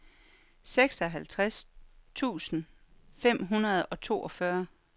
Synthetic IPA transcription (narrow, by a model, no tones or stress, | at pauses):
seɡ̥sɒ̽ɦælt͡sʰʁast͡sʰṵːsn̩ | fem̰ɦunɐð̞ˠɒ̽t͡sʰo̝̰ːʔɒ̽fɶɐ